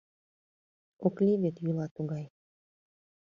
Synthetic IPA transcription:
oklʲiβet̪jylɑt̪uɣɑj

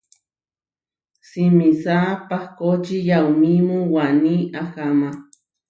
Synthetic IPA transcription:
simisapahkot͡ʃijaumimuwaniaxama

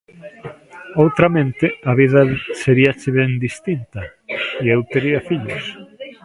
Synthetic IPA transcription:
owt̪ɾɐmẽnt̪ɪaβiðɐseɾiɐt͡ʃɪβɛŋd̪ist̪int̪ɐiewt̪eɾiɐfiʎʊ̰s

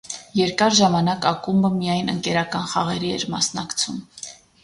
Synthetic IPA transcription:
jɛɾkɑɾʒɑmɑnɑkɑkumbəmijɑjnəŋkɛɾɑkɑnχɑʁɛɾiɛ̰ɾmɑsnɑkt͡sʰum

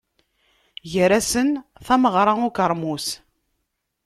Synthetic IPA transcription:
ʝəɾæsənθæməʁɾˤɑʊkəɾˤmus

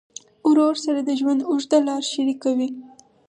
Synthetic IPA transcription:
ʊɾoɾsaɾad̪əʒwand̪ʊʒd̪alɑɾʃaɾikawi

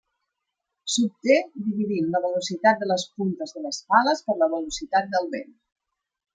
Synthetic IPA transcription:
sup̚t̪ed̪iβiðimləβəlusit̪at̪̚d̪ələspunt̪əzðələsfaləspəɾləβəlusit̪at̪̚d̪əlˠβen

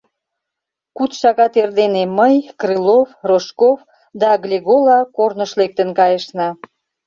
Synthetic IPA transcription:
kut̪ʃɑɣɑt̪erd̪eneməjkrɨlofroʃkof | d̪ɑɡlʲeɣolɑkornəʃlek̚t̪ənkɑjəʃnɑ

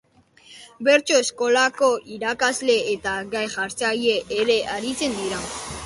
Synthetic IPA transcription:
be̞ɾt͡ʃo̞esko̞lako̞ʔiɾakazle̞et̪aɡajʝaɾt͡saje̞ʔːɾe̞ʔaɾit͡se̞nd̪iɾa

